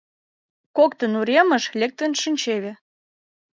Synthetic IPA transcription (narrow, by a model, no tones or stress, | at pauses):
kokt̪ə̆nuɾʲemə̆ʃlʲek̚t̪ə̆nʃɨnʲt͡ɕeβĕ